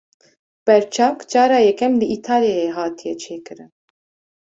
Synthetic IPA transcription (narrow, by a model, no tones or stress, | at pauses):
pɛɾt͡ʃʰɑkt͡ʃɑɾɑjɛkɛmliʔit̪ʰɑljajɛɦɑt̪ʰjɛt͡ʃʰɛkəɾə